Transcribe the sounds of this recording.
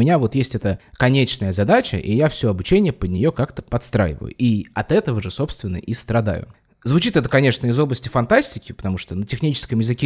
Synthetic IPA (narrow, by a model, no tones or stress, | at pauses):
mʲɪnʲavo̞t̪jesʲtʲɛt̪əkɐnʲet͡ɕnəjəzɐd̪at͡ɕə̰ʔijafsʲo̞ɐbʊt͡ɕenʲɪjəpəd̪ʲnʲɪjo̞kakt̪ə̥pɐt̪st̪ɾa̰jɪ̰və̰jʊ̰ʔiɐt̪ɛt̪əvəʐɨso̞pst̪vʲɪnːə̰ʔist̪ɾɐd̪a̰jʊ̰ | zvʊt͡ɕit̪ɛt̪əkɐnʲe̞ʂnəɪzo̞blˠəsʲtʲɪfɐnt̪asʲtʲɪkʲɪpə̥t̪ɐmuʂt̪ənətʲɪxnʲit͡ɕɪ̥skəmjɪzɨkʲe